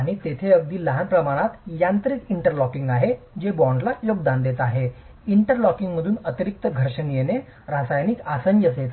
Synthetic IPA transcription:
aɽ̃iːt̪et̪ʰeəɡ̚d̪iːləɦanpɾəmaɽ̃at̪jant̪ɾik̪iɳʈəɾlɔkĩŋɡaɦe | d͡ʑebɔɳɖlajoɡd̪and̪et̪aɦe | iɳʈəɾlɔkiŋɡməd̪ʱuːnət̪iɾik̚t̪əɡʱəɾɕənijene | ɾasajnikasənjəset̪

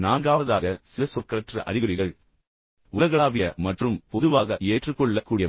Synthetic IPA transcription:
naːŋɡaːɐðaːɣɐsɪlɐsɔkːɐɐʈrɐʔɐ̰rɪɣɐɾɪɣɐɭ | ʊlɐɣɐɭaːʋɪjɐmɐʈrɯmpɔðɯʋaːɣɐʔeːʈrɯkːɔɭːɐkːuːɽɪjɐ

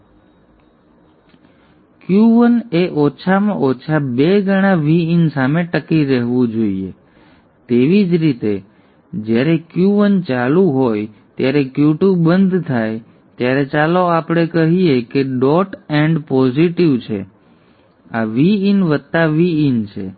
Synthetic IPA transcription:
kjuʋəneʔɔt͡ʃʰamãɔt͡ʃʰabeɡəɽ̃aʋiinsameʈəkiɾəɦʋũd͡ʒoiḛ | t̪eʋid͡ʒɾit̪e | d͡ʒjaɾekjuʋənt͡ʃalũɦojt̪jaɾekjuʈũbənd̪ʱt̪ʰaj | t̪jaɾet͡ʃaloapɽ̃ekəɦiekeɖɔʈɛɳɖpɔziʈiʋt͡ʃʰḛ | aʋiinʋət̪ːaʋiint͡ʃʰḛ

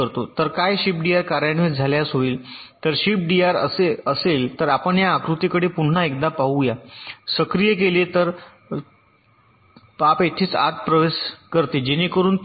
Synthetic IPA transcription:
əɾt̪ot̪əɾkajɕip̚ɖiaɾkaɾjaɳʋiːd͡zʱaljasɦoiːlt̪əɾɕip̚ɖiaɾəseəselt̪əɾapəɳjaːkɾut̪ikəɽepuɳːaekd̪apaɦujasəkɾijəkelet̪əɾ | papet̪ʰiːt͡sa̰t̪̚pɾəʋeskəɾt̪ed͡ʑenekəɾuːn

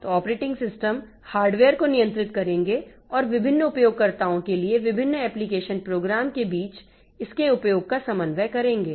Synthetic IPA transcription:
t̪oɔːpɾeːʈɪ̃ŋɡsɪsʈəm | haːɾɖʋeːəɾkonijə̃nt̪ɾɪt̪kɐɾẽːŋɡeɔːɾʋɪbʱɪnːəʊpjoːɡ̚kɐɾt̪aːõkelieʋɪbʱɪnːəɛːplikeːʃənpɾoːɡɾaːmkebiːt͡ʃ | ɪskeʊpjoːɡ̚kasɐ̃mənʋɛkɐɾẽːŋɡeː

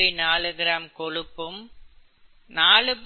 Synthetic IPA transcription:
inaːɭɯɣɪɾaːmkɔɻɯpːɯm | naːɭɯp

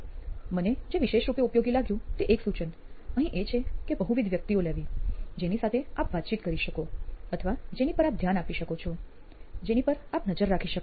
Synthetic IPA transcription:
məned͡ʒeʋiʃeʃɾupjeupjoɡilaɡjũt̪eʔeksut͡ʃən | əɦĩʔet͡ʃʰekebəɦũʋid̪ʱʋjək̚t̪ioleʋid͡ʒenisat̪ʰeapʋat̪̚t͡ʃit̪kəɾiʃəkoət̪ʰəʋad͡ʒenipəɾap̚d̪ʱjanapiʃəkot͡ʃʰɔ | d͡ʒenipəɾapnəd͡ʒəɾːakʰiʃək

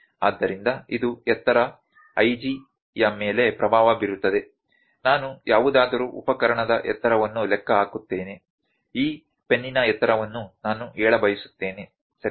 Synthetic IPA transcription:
a̰ːd̪ːɐɾind̪ɐid̪uɛt̪ːɐɾɐ | ɐjd͡ʒi | jɐmeːle̞pɾɐbʱaːʋɐbiɾut̪ːɐd̪e̞ | naːnujaːʋud̪aːd̪ɐɾuʔṵpɐkɐɾɐɳɐd̪ɐʔɛt̪ːɐɾɐʋɐnːulɛkːɐaːkut̪ːeːne | iː | pe̞nːinɐɛt̪ːɐɾɐʋɐnːunaːnuɛːɭɐbɐjisu̥t̪ːe̞ːne | sɐɾi

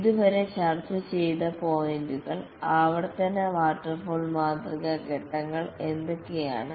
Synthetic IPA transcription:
ðuʋɐɾe̞ɕɐrt̪ɨt͡ɕejt̪ɐpoːjinduɣɐɭ | ɐʋɐɽɐt̪ːɐnːɐʋaːʈːɐrfoːlmaːt̪riɣɐɡeʈːɐŋːɐɭe̞nd̪o̞kːeja̰ːɳɨ

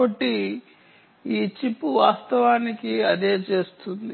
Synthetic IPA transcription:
ɐʈːi | iːt͡ʃipːuʋaːst̪ɐʋaːnikiɐd̪e̞ːt͡ʃe̞ːst̪und̪i

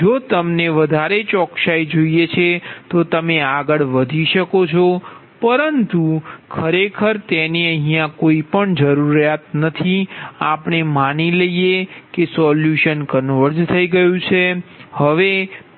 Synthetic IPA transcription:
d͡ʒot̪əmneʋəd̪ʱaɾet͡ʃɔkʃajd͡ʒoijet͡ʃʰet̪ot̪əmeaɡəɭʋəd̪ʱiʃəkot͡ʃʰo | pəɾənt̪ukʰəɾekʰəɾt̪eniəɦijãkoipəɳd͡ʒəɾuɾjat̪nət̪ʰiapɳemaniləjjekesɔljuʃənkənʋəɾd͡ʒt̪ʰəiɡəjũt͡ʃʰehəʋe

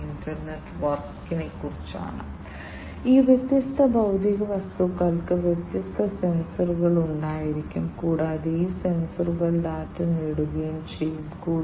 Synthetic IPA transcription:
indɐrneʈːʋɐrkkːinekːurit͡ɕːa̰ːɳɨ̰ | iːʋjet̪jɐst̪ʰɐbɐwd̪iɣɐʋɐst̪ukːɐːlkɨʋjet̪jɐst̪ʰɐse̞nsɐrɣɐɭuɳɖaːjiɾikʲːumkuːɽaːðeiːse̞nsɐrɣɐɭɖaːtːɨneɽuɣɐjumt͡ɕejːumkuː

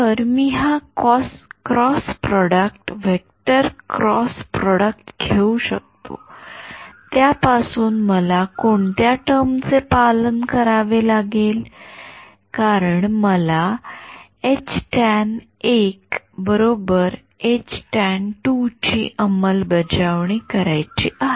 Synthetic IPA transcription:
təɾmiɦakɔskɾɔspɾɔɽəkʈʋekʈəɾkɾɔspɾɔɽək̚ʈɡʱʰeuɕək̚t̪o̰ | t̪japasuːnməlakoɳt̪jaʈəɾmt͡sepalənkəɾaʋelaɡel | kaɾəɳməla | et͡ɕʈæɛn | ek | bəɾobəɾ | et͡ɕʈɛnʈut͡ɕḭʔəməlbəd͡ʑaʋɳ̃ikəɾajt͡ɕiːʔaɦe

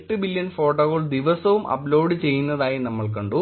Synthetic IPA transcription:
ʈːɨbilːjɐnfo̞ːʈːoːɣɐɭd̪iʋɐsɐʋumʔɐ̰ploːɖɨt͡ɕe̞jːunːɐðaːjinɐmːɐɭkɐɳɖu

